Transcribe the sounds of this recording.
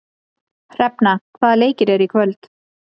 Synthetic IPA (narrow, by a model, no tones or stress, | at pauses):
r̥ɛpnakʰvaːðleːjcɪɾɛɾikʰvœlt̪